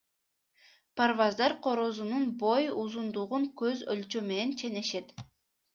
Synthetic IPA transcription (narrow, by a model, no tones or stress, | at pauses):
parvɑzd̪ɑɾqʰo̞ɾozununbo̞juzund̪uʁuŋkøzølt͡ʃøme̞ne̞nt͡ʃʰe̞ne̞ʃe̞t̪